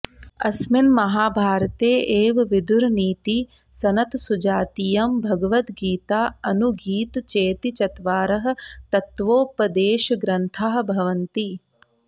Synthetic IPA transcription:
ɐ̰smɪnmɐɦaːbʱaːɾɐt̪eːʔeːʋʋid̪uɾniːt̪i | sɐnɐt̪sud͡ʒaːt̪ijɐmbʱɐɡɐʋɐt̪ɡiːt̪aːɐnuɡiːt̪t͡ʃeːt̪it͡ʃɐt̪ʋaːɾɐɦɐ̆t̪ɐt̪ʋoːpɐd̪eːʃɡɾɐnt̪ʰaːɦbʱɐʋɐnt̪i

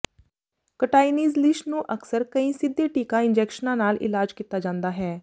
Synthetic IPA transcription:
kəʈaːiniːzlɪʃnũːʔəksəɾkəĩːsɪd̪eːʈiːkãːɪ̃nd͡ʒɛːkʃənãːnaːlɪ̰laːd͡ʒkiːt̪aːd͡ʒãːnd̪aːɦɛː

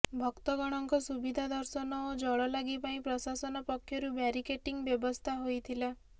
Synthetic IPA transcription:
bʱɔkt̪ɔɡɔɽ̃ɔŋkɔsubid̪ʱad̪ɔɾsɔnɔːd͡ʒɔɭɔlaɡipaĩpɾɔsasɔnɔpɔkʰːjɔɾubaɾikeʈiŋbjɔbɔst̪ʰaɦojt̪ʰila

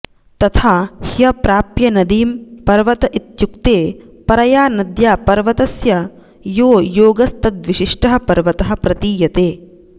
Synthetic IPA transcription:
t̪ɐt̪ʰaːhijɐpɾaːpjɐnɐd̪iːmpɐɾʋɐt̪ɐʔit̪jukt̪eːpɐɾɐjaːnɐd̪jaːpɐɾʋɐt̪ɐsjɐ | joːjoːɡɐst̪ɐd̪ʋiʃiʂʈɐɦɐ̆pɐɾʋɐt̪ɐɦɐ̆pɾɐt̪iːjɐt̪eː

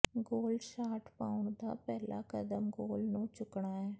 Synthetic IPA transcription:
ɡoːlʃaːʈʰpa̰ːʊɳ̃d̪a̰ːpɛːla̰ːkəd̪əmɡoːlnõːt͡ʃʊkɳaːɦɛː

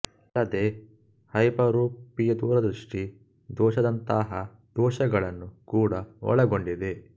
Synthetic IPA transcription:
ɐlːɐd̪e | hɐjpɐɾuːpijɐd̪uːɾɐd̪ɾuʂʈi | d̪ɔːʃɐd̪ɐnt̪aɦɐ | d̪ɔːʃɐɡɐɭɐnːukuːɽɐʋɔ̰ɭɐɡo̞ɳɖid̪e̞

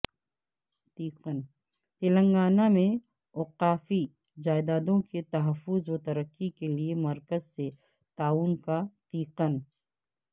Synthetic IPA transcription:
t̪iːqən | t̪ɪlə̃ŋɡaːnamẽ | oːqaːfi | d͡ʒaːɪd̪aːd̪õkit̪ɐɦəfʊzwot̪ɐɾəkːikeliemɐɾkəzse | t̪aːuːnkat̪iːqən

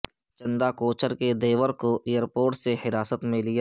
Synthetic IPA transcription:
t͡ʃɐ̃nd̪akoːt͡ʃəɾked̪eːʋəɾkoʔejəɾpoːɾʈsehɪɾaːsət̪mẽlɪja

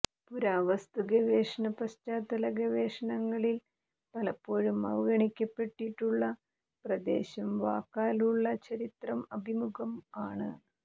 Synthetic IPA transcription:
puɾaːʋɐst̪uɣɐʋeːʂɐɳɐpɐst͡ɕaːt̪ɐlɐɡɐʋeːʂɐɳɐŋːɐɭil | pɐlɐpːo̞ːɻumɐ̰ʋɐɡɐɳikʲːɐpːe̞ʈːiʈːuɭːɐ | prɐd̪e̞̰ːɕɐmʋaːkːaːluɭːɐt͡ɕɐɾit̪rɐmɐbʱimuɡɐmaːɳɨ

